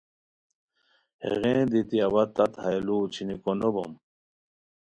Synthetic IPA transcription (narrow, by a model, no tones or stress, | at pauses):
hḛɣẽːd̪it̪iɐβɐt̪ːat̪hɐjluːt͡ɕʰinikonobo̰m